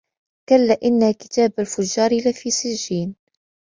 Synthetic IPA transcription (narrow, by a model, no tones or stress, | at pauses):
kalːaʔɪnːakɪ̥t̪aːbalfʊd͡ʒːɑːɾlafiːsɪd͡ʒːiːn